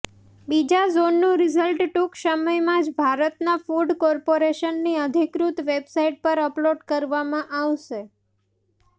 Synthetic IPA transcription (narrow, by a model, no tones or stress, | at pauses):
bid͡ʒazonːũɾizəlʈʈuksəməjmãd͡ʒbʱaɾət̪nafuɖkɔɾpoɾeʃənːiəd̪ʱikɾut̪ʋebsaiʈ̚pəɾəploɖkəɾʋamãʔaʋʃe